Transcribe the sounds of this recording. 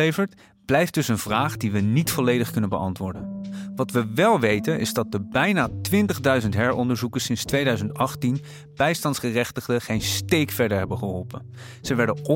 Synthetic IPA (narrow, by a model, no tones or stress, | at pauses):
ejvəɹt | b̥lɛjft̚d̥ɵsənvraːχdiʋənitfɔlejdəχkɵnənbəɑ̰ntʋʊːɹdənʋɑtʋəʋɛlˠʋejtənʔɪ̰zdɑt̚dəbɛjnaːtʋɪntəχdœɥzəntɦɛɹɔndəɹzukəɹsɪnstʋejdœɥzəntɑχtin | b̥ɛjstɑntsχərɛχtəχdəχejnstejkfɛɹdəɹɦɛbəχəɦɔlˠpən | z̥əʋɛɹdəɔ